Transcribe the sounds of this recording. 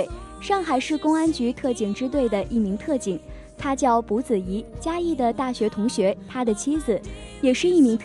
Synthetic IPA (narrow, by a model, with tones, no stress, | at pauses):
ʂɑ˥˩ŋxa˧ɪʂɻ̩˥˩kʊ˥ŋa˥nt͡ɕy˧˥t̪ʰɤ˥˩t͡ɕi˨˩ŋʈ͡ʂɻ̩˥t̪̬we˥˩ɪd̪ə˩ʔi˥˩mi˧˥ŋt̪ʰɤ˥˩t͡ɕi˨˩˦ŋ | t̪ʰa˥t͡ɕjɑ˥˩ʊpu˧˥t͡sɹ̩˨˩i˧˥t͡ɕja˥i˥˩d̪ə˩t̪a˥˩ɕɥɛ˧˥t̪ʰʊ˧˥ŋɕɥɛ˧˥t̪ʰa˥d̪ə˨t͡ɕʰi˥d͡zɹ̩˨˩ | jɛ˨˩ʂɻ̩˥˧i˥˩mi˧˥ŋt̪ʰ